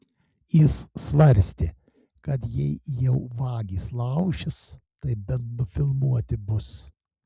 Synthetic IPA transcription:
jɪsːʋɐɾʲsʲt̪ʲɪ | kɐt̪jɛɪjɛʊʋɑːɡʲiːslˠɐʊʃʲɪst̪ɐɪbʲɛnnʊfʲɪlˠmuɔt̪ʲɪbʊs

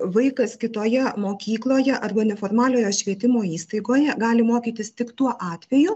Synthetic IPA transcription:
ʋɐɪkɐskʲɪt̪oːjɛmoːkʲiːklˠoːjɛʔɐrbɐnʲɛfoːrmɑːlʲoːjoːʃʲʋʲiɛt̪ʲɪmoːiːst̪ɐɪɡoːjɛɡɑːlʲɪmoːkʲiːt̪ʲɪst̪ʲɪkt̪uɔʔɑːt̪ʲʋʲɛjʊ

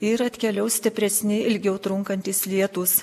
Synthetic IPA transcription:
ɪɾɐt̪ʲkʲɛlʲɛʊsʲt̪ʲɪpʲɾʲɛsʲnʲɪɪlʲɡʲɛʊt̪ɾʊŋkɐnʲt̪ʲiːslʲiɛt̪uːs

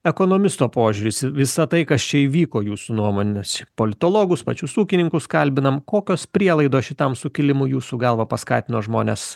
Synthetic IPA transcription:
ɛkoːnoːmʲɪst̪oːpoːʒʲuːɾʲɪsʲɪʋʲɪsɐt̪ɐɪkɐst͡ʃʲɛiːʋʲiːkoːjuːsunuɔmoːnʲespolʲɪt̪oːlˠoːɡʊspɐ̰t͡ʃʲʊsuːkʲɪnʲɪŋkʊskɐlʲbʲɪnɐmkoːkʲoːspʲɾʲiɛlˠɐɪd̪oːʃʲɪt̪ɐmsʊkʲɪlʲɪmʊjuːsuɡɑlˠʋɐpɐskɑ̰ːt̪ʲɪnoːʒmoːnʲes

